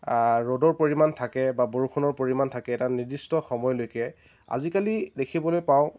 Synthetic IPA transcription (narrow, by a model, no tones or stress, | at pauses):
ɹodɔɹpoɹimantʰakɛbaboɹukʰunɔɹpoɹimantʰakɛːtanidistɔxɔmɔjlojkɛ | a̰zikalidekʰibɔlojpaʊ̃